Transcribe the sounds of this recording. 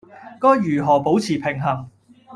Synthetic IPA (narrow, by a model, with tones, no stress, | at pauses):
kɔː˥jjyː˨˩ɦɔː˨˩po˨˥wt͡sʰiː˨˩pʰɪ˨˩ŋɦɐ˨˩ŋ